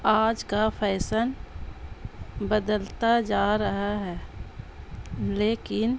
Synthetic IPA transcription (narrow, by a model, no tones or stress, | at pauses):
aːd͡ʒkapʰɛːsəl | bəd̪əlt̪ad͡ʒaːɾɐɦaɦɛː | leːkɪn